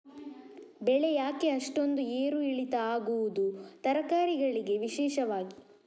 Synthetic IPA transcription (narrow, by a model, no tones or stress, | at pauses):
bɛɭejaːke̞ɐʂʈo̞nd̪ueːɾuiɭit̪ɐaːɡuʋud̪ut̪ɐɾɐkaːɾiɡɐɭiɡe̞ʋiʃɛːʃɐʋaːɡi